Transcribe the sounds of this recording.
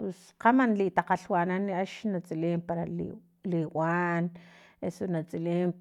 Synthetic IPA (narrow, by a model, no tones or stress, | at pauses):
pes | qamanliʔt̪aqaɬwaːnanːiʔaʃnat͡sʼileːmpaɾalḭ | liwaːn | esonat͡sʼileːm